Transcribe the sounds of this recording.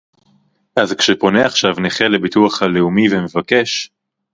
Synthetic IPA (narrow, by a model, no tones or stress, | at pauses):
ʔazkʃepo̞ne̞aχʃavneχele̞bituaχhaleumiveme̞vake̞ʃ